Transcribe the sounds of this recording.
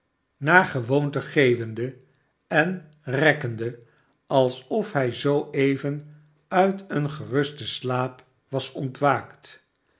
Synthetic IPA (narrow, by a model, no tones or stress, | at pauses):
naːɹχəʋowntəχejvəndə | ɛn | rɛkəndə | ɑlˠsɔfɦɛjzowejvən | œɥtənχərʏstəslaːp | ʋɑsɔntʋaːkt